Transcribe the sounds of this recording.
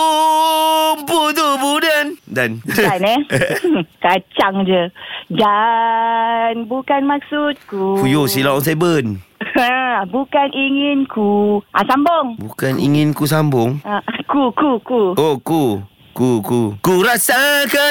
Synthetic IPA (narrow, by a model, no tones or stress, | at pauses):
but̪ubudandananɛ | kat͡ʃaŋd͡ʒəd͡ʒa | nbukanmak̚sut̪̚kufujosilaɔŋs̬abənabukaniŋɪnkuʔasamboŋbukanḭŋinkus̬ambʊŋakukukuoku | kukukuɾasaka